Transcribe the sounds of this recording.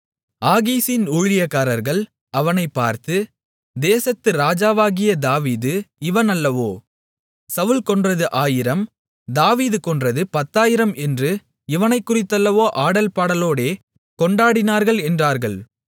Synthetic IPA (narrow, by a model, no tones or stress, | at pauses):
aːɣiːsɪnuːɻɪjɐkːaːɾɐɾɣɐɭ | ɐʋɐnɐɪpːa̰ːɾt̪ɯ | d̪eːsɐt̪ːɯɾaːd͡ʒaːʋaːɣɪjɐd̪aːʋiːðɯɪʋɐnɐlːɐʋoː | sɐʋɯlkɔɳdrɐðɯʔaːjɪɾɐm | d̪aːʋiːðɯkɔɳdrɐðɯpɐt̪ːaːjɪɾɐmɛndrɯ | ɪʋɐnɐɪkːʊrɪt̪ːɐlːɐʋoːʔaːɽɐlpaːɽɐloːɽeː | kɔɳɖaːɽɪnaːɾɣɐɭɛndraːɾɣɐɭ